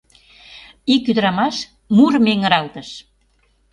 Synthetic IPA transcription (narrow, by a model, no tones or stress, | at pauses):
ikːyd̪əɾɑmɑʃ | murmeŋə̆ɾɑlt̪əʃ